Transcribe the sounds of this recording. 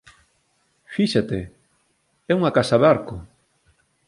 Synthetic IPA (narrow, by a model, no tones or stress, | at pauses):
fiʃat̪e | ɛuŋakasaβaɾkʊ